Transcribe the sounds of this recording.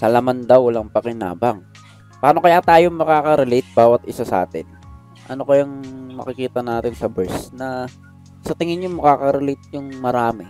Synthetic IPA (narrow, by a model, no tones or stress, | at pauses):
sɐlɐmand̪awːɐlaŋpɐkɪna̰ːbɐŋ | paːno̞kɐjat̪aːjomɐkaːkɐɾɛlɛt̪̚baːwɐt̪ʔɪsasɐʔa̰ːt̪ɪ̰n | ʔɐno̞kɐjaŋmɐ̰kɪkiːt̪ɐnaːt̪ɪnsɐbɛɹsnɐ | sɐt̪ɪŋɪnjomɐkaːkɐɾɛlejt̪̚jʊŋmɐɾaːmɪ